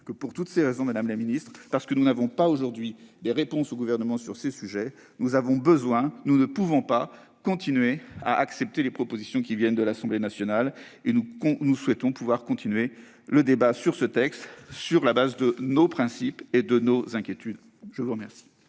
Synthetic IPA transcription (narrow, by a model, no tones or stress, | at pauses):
kəpuʁt̪ut̪seʁezɔ̃mad̪amlaminist̪χpaʁsə̥kənunavɔ̃paoʒuʁd̪ɥid̪eʁepɔ̃soɡuvɛʁnəmɑ̃syʁsesyʒɛ | nuzavɔ̃bəzwɛ̃nunəpuvɔ̃pa | kɔ̃t̪inɥea̰ʔaksɛp̚t̪elepχɔpozisjɔ̃kʲivjɛnd̪əlasɑ̃blenasjɔnalenukɔ̃nuswɛt̪ɔ̃puvwaʁkɔ̃t̪inɥe | ləd̪ebasyʁsət̪ɛkst̪syʁlabazd̪ənopχɛ̃siped̪ənozɛ̃kʲjet̪yd̪ | ʒəvuʁəmɛʁsi̥